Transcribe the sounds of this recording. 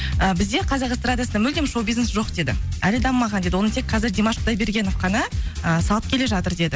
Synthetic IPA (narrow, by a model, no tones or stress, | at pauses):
əbɪzd̪e̞qʰɑzɑqəst̪ɾad̪ijasənɑmʏld̪emʃowbʲiznesʒo̞qd̪e̞d̪ɪ̰ælɪd̪ɑmːɑʁɑnd̪e̞d̪ɪwonət̪ʰe̞k̚qʰɑzɪɾd̪emɑʃqʰd̪ɑjbe̞ɾɡʲe̞no̞fqɑnəəsɑlˠəp̚kʲʰe̞le̞ʒɑt̪əɾd̪e̞d̪ɪ